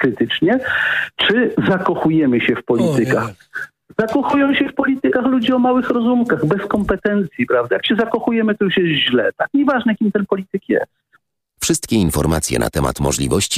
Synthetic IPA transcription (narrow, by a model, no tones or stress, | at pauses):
kɾɘt̪ɘt͡ʂɲɛt͡ʂɘzakɔxujɛmɘɕɛfpɔlʲit̪ɘkax | zakɔxujɔ̃w̃ɕɛfpɔlʲit̪ɘkaxlud͡ʑiɔmawɘxɾɔzumkaɣbɛskɔmpɛt̪ɛnt̪sʲjipɾavd̪ajakɕɛzakɔxujɛmɘt̪ɔjuʂjɛst̪ʑlɛt̪akɲɛvaʐnɛkʲimt̪ɛnpɔlʲit̪ɘkjɛ̰stt̪ | fʂɘst̪kʲɛinfɔɾmat̪sʲjɛ̰na̰t̪ɛma̰t̪mɔ̰ʐlʲḭvɔɕt͡ɕi